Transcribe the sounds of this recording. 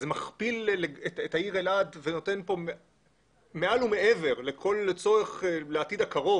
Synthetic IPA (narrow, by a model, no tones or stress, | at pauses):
zemaχpilleetetaiʁelad̪veno̞t̪e̞npo̞me | me̞alume̞eve̞ʁlekʰo̞lt͡so̞eχleatid̪akaʁo̞